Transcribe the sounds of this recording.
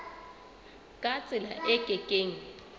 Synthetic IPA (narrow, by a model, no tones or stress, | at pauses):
kʼat͡sʼɪla̰ʔɛɡʼʱɛkʼeːŋ̩